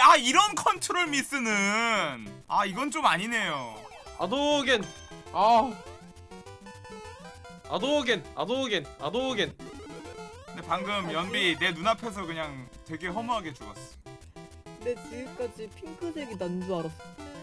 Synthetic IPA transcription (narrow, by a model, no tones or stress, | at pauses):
aiɾʌnkʰʌntʰɯɾoɭmis͈ɯnɯnaiɡʌnt͡ɕomaɲine̞jo | a̰doɡen | a | a̰doɡena̰doɡena̰doɡen | ɯndepaŋɡɯmjʌnbine̞nunapʰe̞s̬ʰʌkɯɲaŋtwe̞ɡe̞ɦʌmuɦaɡe̞t͡ɕuʌs͈ʌ̥jo | kɯndet͡ɕiɡɯk͈ad͡ʑipʰiŋkʰɯd͡ʑeɡinand͡ʑuaɾʌs͈ʌ